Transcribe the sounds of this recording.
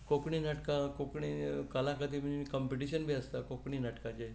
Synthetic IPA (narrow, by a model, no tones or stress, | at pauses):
kokɳ̃inəʈkãkokɳ̃ikəlãkəd̪imikəmpeʈ̬iɕənbʱiəst̪akokɳ̃inəʈkat͡ɕaj